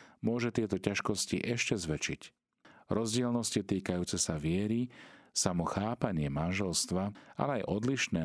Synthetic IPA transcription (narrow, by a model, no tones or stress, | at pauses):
mʊɔʒɛt̪ɪɛt̪ɔcaʃkɔscḭʔɛʃcɛzʋɛt͡ʃic | ɾɔzɟɪɛlnɔscit̪iːkajuːt͡sɛsaʋɪɛɾisamɔxaːpaɲɪɛmanʒɛlst̪ʋaa̰lɛajʔɔd̪liʃnɛː